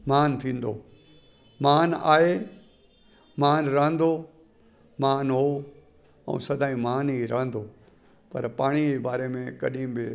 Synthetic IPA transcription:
maːnt̪ʰĩːn̆d̪oː | maːna̰ːɦe | maːnɾɐɦə̃n̆d̪o | maːnɦo | ɛ̰̃ːsɐd̪ʱaːĩmaːniɾɐɦə̃n̆d̪o | pɐɾpaːɽ̃iebaːɾemẽkɐ̰ɗĩbɪ

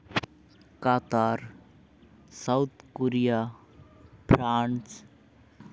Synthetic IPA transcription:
kat̪aɾ | sawt̪ʰkoɾija | pʰɾans

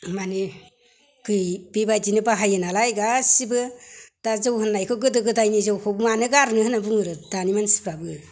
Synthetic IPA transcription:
mani | kʰɯjbibad͡ʒinɯbaɦajɯnalajɡasibɯd̥azɯwhɯnːajkʰɔɡɯdɯɡɯdajnizawkʰɔbɯmanɯɡaɾnɯhɯnabuŋɯɾɯdanimansi̥pʰɾabɯ

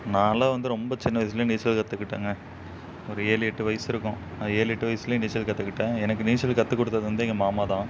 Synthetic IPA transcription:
nãːɐlaːʋɐnd̪ɯɾɔmbɐt͡ʃɪnːɐʋɐɪs̬ɪl̃niːt͡ʃːɐlkɐt̪ːɯkːɪʈːḛːŋɡɐ | ɔɾɯeːlɛʈːɯʋɐɪsɪɾɯkːʊ̃ | naːeːlɛʈːɯʋɐjsɪlɐ̃niːt͡ʃːɐlkɐt̪ːɯkːɪʈːẽɛnɐkːɯniːt͡ʃːɐlkɐt̪ːɯkːɔɽɯt̪ːɐðɯʋɐnd̪ɯɛŋɡɐmaːmaːt̪ãː

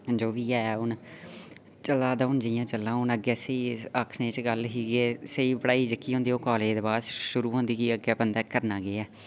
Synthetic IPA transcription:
d͡ʒoːʋiːɛːʊn | t͡ʃəlaːd̪aːɦʊnd͡ʒijãːt͡ʃəlːãːʊnəɡɛːseiːəkʰnẽːt͡ʃɡəlɦiːɡeːseiːbəɽaːiːd͡ʒəkːiːɦõːnd̪eːɦoːkɔːleːd̪baːd̪ʃʊɾuːɦõːnd̪iːkiːəɡɛːbənd̪aːkəɾnaːɡeɛː

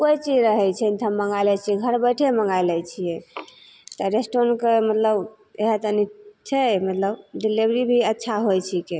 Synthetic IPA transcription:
kojt͡ʃid͡ʒɾəɦɛt͡ʃʰɛnt̪ʰəmːəŋɡajlɛt͡ʃʰiɛɡʱəɾbəjʈʰeməŋɡajlɛt͡ʃʰijɛ | t̪ɔɾesʈoɾnkemət̪ləb | eɦet̪ənit͡ʃʰɛmət̪ləbɖilibɾibʱiətːʃʰaɦojt͡ʃʰike

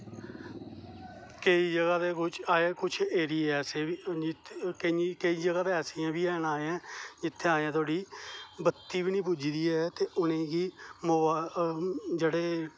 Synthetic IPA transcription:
kəiːd͡ʒəɡaːd̪eːkʊt͡ʃʰaːeːkʊt͡ʃʰeːɾiːɛːsei | kəkəiːd͡ʒəɡaːd̪eːɛːsɪːãːbiːaːnaːeãːd͡ʒɪt̪ʰːeːaːãːt̪ʰoaːɽiːbət̪ːiːbiːnĩːpuːd͡ʒid̪iːɛːt̪eːʔʊnẽːɡiːmʊ | d͡ʒeːɽeː

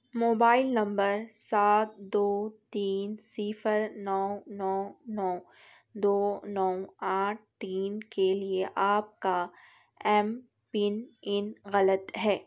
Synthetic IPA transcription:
moːbaːɪlnɐ̃mbəɾsaːt̪̚d̪oːt̪iːnsiːfəɾnɔːnɔːnɔː | d̪oːnɔːaːʈ̚ʰt̪iːnkelieʔaːp̚ka | ɛːm | pɪnɪnɣɐlət̪ɦɛː

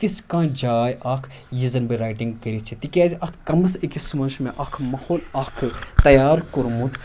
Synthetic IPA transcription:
t̪iskãːd͡ʒaːjʔakʰ | jizɐnbɐɾaːjʈiŋɡkɐɾit͡ʃʰit̪ikʲaːziʔɐt̪ʰkɐmɐsekismɐnʃmẽʔɐkʰmɐhoːlɐkʰɨt̪ɐjaːɾkoɾmut̪ʰ

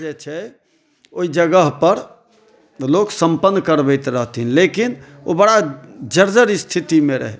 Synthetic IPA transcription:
d͡ʒɛt͡ʃʰɛ | oid͡ʒəɡəɦpəɾ | loksəmpənːkəɾbəɪt̪ɾəɦt̪ɦinlekin | o̰bəɽad͡ʒəɾd͡ʒəɾst̪ʰit̪imeɾə̰ɦɛ̰

